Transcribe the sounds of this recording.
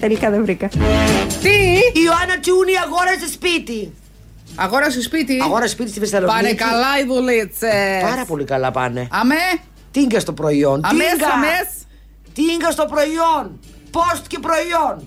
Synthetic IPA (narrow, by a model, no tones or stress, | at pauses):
t̪elikɐðevɾikɐt̪iioɐnɐt͡ʃuniɐɣoɾɐsespit̪i | ɐɣoɾɐsespit̪iɐɣoɾɐsspit̪ist̪ivɾst̪ɐlopɐnekɐlɐiðulit͡sepɐɾɐpo̞likɐlɐ̰pɐ̰neɐme | t̪iiŋɡɐst̪opɾoiontɐimeŋsɡɐɐmes | t̪iiŋɡɐst̪opɾoion | post̪cepɾoion